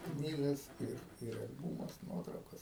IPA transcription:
ˈknʲiːɡɐs ɪr ɪr ɐlʲˈbuːmʊs ˈnuɔtrɐʊkɐs

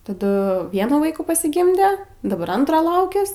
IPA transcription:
tɐˈdʊ ˈʋʲiɛnuː ˈʋɐɪkuː pɐsʲɪˈɡʲɪmʲdʲɛ dɐˈbɐr ˈɐntroː ˈlˠɐʊkʲɛs

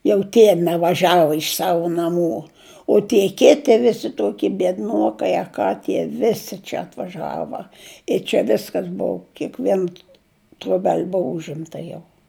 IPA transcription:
jɛʊ ˈtʲiɛ nʲɛʋɐˈʒʲæːʋʊ ɪʃ ˈsɑːʋʊ nɐˈmuː oː tʲiɛ ˈkʲæːtʲɪ ˈʋʲɪsʲɪ ˈtuɔkʲɪ bʲiɛdˈnuɔkɐɪ ɐ ˈkɑː tʲiɛ ˈʋʲɪsʲɪ t͡ʃʲɛ ɐtʋɐˈʒɑːʋɐ ɪ t͡ʃʲɛ ˈʋʲɪskɐs ˈbʊʊ kʲiɛkˈʋʲiɛn troːˈbʲɛlʲ ˈbʊʋʊ ˈʊʒʲɪmtɐ jɛʊ

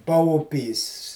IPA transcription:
pɐʊˈpʲiːs

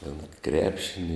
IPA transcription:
tʲɛn ˈkrʲæːpʲʃʲɪnʲɪ

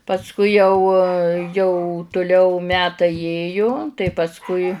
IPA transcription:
pɐsˈkʊɪ jɛʊ jɛʊ tʊˈlʲɛʊ ˈmʲæːtɐɪ ˈjeːjʊ tɐɪ pɐsˈkʊɪ

